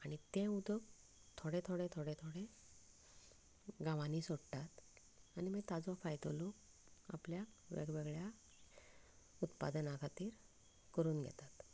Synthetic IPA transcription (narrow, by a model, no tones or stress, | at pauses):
aɽ̃it̪ẽud̪ək | t̪ʰoɽẽt̪ʰoɽẽt̪ʰoɽẽt̪ʰoɽẽ | ɡãʋaniːsoɽʈ̪at̪ | animet̪ad͡zɔfajt̪olok̚ | a̰pljakʋḛɡʋeɡɭja | ut̪pa̰d̪ənakʰat̪iːɾ | kəɾuːnɡʱɛ̰t̪at̪